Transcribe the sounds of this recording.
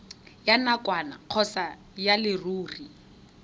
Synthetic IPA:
janakʼwana̰q͡χʰɔsa | jalɪruːri

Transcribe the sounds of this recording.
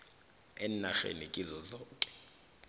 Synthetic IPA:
ɛnaxḛnikʼizɔzɔːkʼɛ̥

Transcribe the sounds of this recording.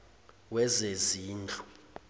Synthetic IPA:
wɛzeziːnd͡ɮʱu̥

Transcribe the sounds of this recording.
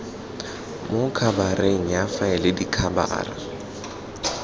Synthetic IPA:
mokʰabareŋ̩jafaɪlɪdikʰaba̰ːra̰

